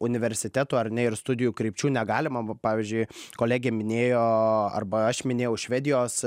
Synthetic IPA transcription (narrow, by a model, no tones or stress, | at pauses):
ʊnʲɪʋʲɛɾʲsʲɪt̪ʲæːt̪uːɐɾnʲɛɪɾst̪ʊd̪ʲɪjuːkɾʲiːpʲt͡ʃʲuːnʲɛɡɑːlʲɪmɐpɑːʋʲiːzʲd͡ʒʲʊɪkoːlʲæːɡʲemʲɪnʲeːjoːɐ̰rbɐɐʃmʲɪnʲeːjɛʊʃʲʋʲæːd̪ʲɪjoːs